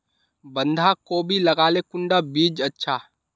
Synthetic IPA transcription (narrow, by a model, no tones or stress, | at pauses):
bə̃nd̪ʱakobʱilɐɡaːlekʊ̃ɳɖabiːd͡ʒətːʃʰa